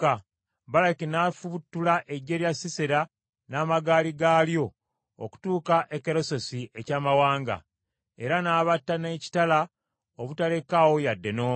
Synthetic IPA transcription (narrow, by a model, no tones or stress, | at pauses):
a | balakinaːfuβutːulaʔe̞ɟːe̞ːljasiseɾa | naːmaɡaːliɡaːljo̞̰ː | ku̥tuːkaʔekeɾo̞so̞siʔe̞caːmawaːŋɡa̰ | e̞ɾanaːβatːane̞ːci̥tala | oβutale̞kawo̞jadːe̞noː